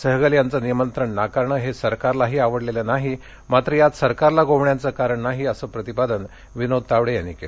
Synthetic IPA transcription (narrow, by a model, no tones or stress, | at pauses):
səɦɡəljant͡sənijmənt̪ɾəɳnakaɾɳəːɦesəɾkaɾlaɦiːaʋəɽlelanaɦi | mat̪ɾəjat̪səɾkaɾlaɡoʋɳjant͡səkaɾəɳnaɦiəsəːpɾət̪ipad̪ən | ʋinod̪̚t̪aʋɽejanːḭkel